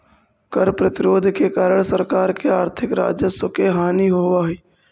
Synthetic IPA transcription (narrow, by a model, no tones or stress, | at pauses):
kəɾpɾət̪ɪɾoːd̪ʱkekaːɾəɽ̃səɾkaːɾkeaːɾt̪ʰɪkɾa̰ːd͡ʒjəsokeɦaːniɦoːʋaːɦeː